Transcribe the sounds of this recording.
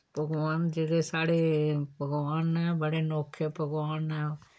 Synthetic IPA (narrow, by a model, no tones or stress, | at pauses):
b̥ʱəɡʋaːnd͡ʒeːkesaːɽebʱəɡʋaːnɛbəɽenɔːkʰjəbʱəɡʋaːnɛ